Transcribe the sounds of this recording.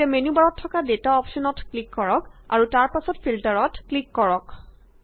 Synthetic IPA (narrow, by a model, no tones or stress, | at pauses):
ɛmenubaɹɔtʰːɔkadetaɔpsɔnɔtklikːɔɹɔka̰ɹutaɹpasɔtfiltaɹɔtklikːɔɹɔk